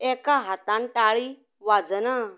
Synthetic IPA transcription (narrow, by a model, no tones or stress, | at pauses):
ɛkaɦat̪ãnʈaɭi | ʋad͡zəna